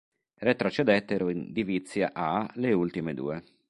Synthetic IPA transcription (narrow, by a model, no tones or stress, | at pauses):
ret̪ɾot͡ʃed̪ɛt̪ːeɾoind̪ivit̪sːjaʔaleult̪imed̪ṵːe